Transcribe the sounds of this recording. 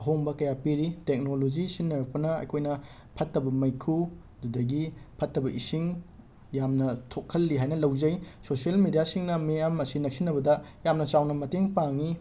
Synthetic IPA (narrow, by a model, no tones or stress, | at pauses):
ɐɦoŋbɐkɐjapiɾitek̚nolod͡ʒisinːɐɾɐk̚pɐnɐɐ̰jkʰojnɐ | pʰɐtːɐbɐmɐjkʰu | ɐdudɐɡipʰɐtːɐbɐʔisiŋ | jamnɐtʰokʰːɐlːiɦajnɐlɐwzɐjsosielmidijasiŋnɐmejamɐsinɐk̚sinːɐbɐdɐjamnɐt͡ʃawnɐmɐteŋpaŋi